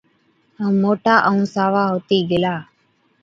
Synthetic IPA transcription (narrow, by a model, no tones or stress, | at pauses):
ɦəmːoːʈaːʔəũːsaːʋaːɦoːt̪iːɡɪlaː